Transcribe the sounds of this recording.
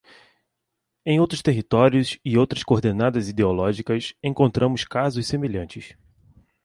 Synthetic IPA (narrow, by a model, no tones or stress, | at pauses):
ẽj̃owt̪ɾʊst̪eɦit̪ɔɾjʊsɪowt̪ɾɐskoɾd̪enad̪ɐzid̪eolɔʒikɐsẽŋkõnt̪ɾɐ̃mʊskazʊssemeʎɐ̃nt͡ʃɪs